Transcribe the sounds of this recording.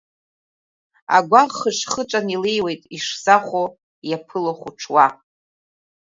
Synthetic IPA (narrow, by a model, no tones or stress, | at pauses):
a̰ɡʷaʁχəʂχəʈ͡ʂʷʼanilejwejtʼiʂzaχʷo | japʰɨloχʷuʈ͡ʂʰwa